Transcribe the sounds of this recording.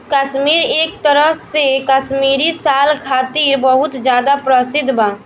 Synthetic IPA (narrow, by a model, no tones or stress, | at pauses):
kəʃmiɾek̚t̪əɾəɦsekəʃmiɾisalkʰat̪iɾbəɦut̪d͡ʒjad̪apɾəsid̪ʱba